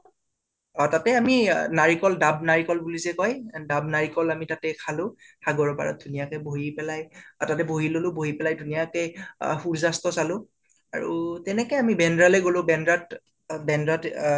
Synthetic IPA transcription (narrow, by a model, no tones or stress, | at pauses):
ɔtatɛaminaɹikɔldab̚naɹikɔlbulizɛkɔjdab̚naɹikɔlamitatɛkʰalʊ̃ | haɡɔɹɔpa̰ɹɔ̰t̚dʱunijakɛboɦipɛlaja̰tatɛbʱoɦilolʊ̃boɦipɛlajdʱunijakɛhuɹzastɔsalʊ̃ | a̰ɹṵtɛnɛkɛjamibɛndɹalɛɡolʊ̃bɛndɹat | bɛndɹat